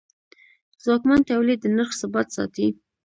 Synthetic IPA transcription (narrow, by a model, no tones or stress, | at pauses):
zwɑkmant̪awlid̪ːənəxsabɑt̪sɑ̰t̪i